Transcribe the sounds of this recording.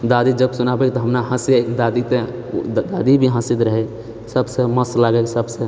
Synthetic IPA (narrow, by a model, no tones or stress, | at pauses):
d̪ad̪id͡ʒəbsunabekt̪ɔɦəmnaɦə̃siakd̪ad̪it̪ed̪ad̪ibʱiɦə̃sid̪ɾəɦɛ | səbseməslaɡɛksəbsẽ